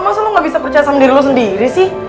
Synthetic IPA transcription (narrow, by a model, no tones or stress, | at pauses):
masalʊŋɡabisapərt͡ʃajasamdiɾilus̬əndiɾisɪh